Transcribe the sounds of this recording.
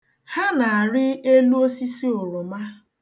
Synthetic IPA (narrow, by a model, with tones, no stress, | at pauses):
ha˦na˨a˨ɾɪ˦e˦lu˦o˦si˦si˦o˨ɾʊ˨ma˦